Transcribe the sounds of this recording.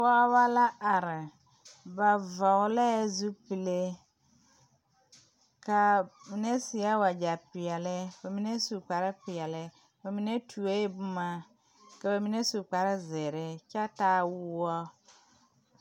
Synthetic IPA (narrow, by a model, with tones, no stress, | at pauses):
fa˦wa˦la˦a˨ɾɪ˨ | ba˨vɔ˨wlɛ˦zu˦pi˨le˦ | ka˨mi˨ne˦si˨a˦wa˨d͡ʒa˨pɪ˨ɛ˨lɪ˦ba˨mi˨ne˦su˨k͡pa˨ɾɪ˦pɪ˨ɛ˨lɪ˦ | ba˨mi˨ne˦tʰu˨e˦bʊ˦ma˨ | ka˨ba˨mi˨ne˦su˨k͡pa˨ɾɪ˦zɛ˨ɾɪ˦t͡ʃa˦taː˦wu˦wɔ˦